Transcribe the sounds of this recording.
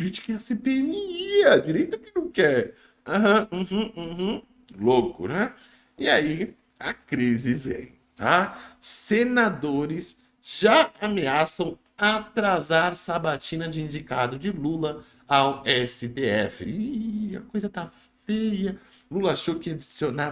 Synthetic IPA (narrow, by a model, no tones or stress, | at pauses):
ɾit͡ʃɪ̥kɛɐsepeemiiɐd͡ʒiɾejt̪ʊkɪnɐ̃w̃kɛɾ | aɦɐ̃h̩h̩ | lokʊnɛ | ɪai | akɾizɪvḛ̃j̃ | t̪asenad̪oɾɪs | ʒ̥aameasɐ̃w̃ | at̪ɾazaɾsabat͡ʃĩnɐd͡ʒɪĩnd͡ʒikad̪ʊd͡ʒɪlulɐ | awɛsɪt̪eɛfɪ̰iiiɐ̰kojzɐt̪a | fejɐ | lulɐaʃokɪad͡ʒisona